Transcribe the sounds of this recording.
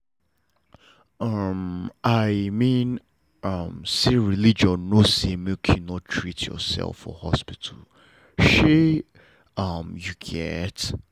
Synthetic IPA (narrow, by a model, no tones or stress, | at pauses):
ʌmʔaɪmĩn | ʔʌmseɹilid͡ʒɔ̃nosemikʰæ̃nɔttʰɹitʰjɔ̰sɛ̰lˠfɔ̰hɔ̰spitʰəl | ʃe | ʌmjuɡɛt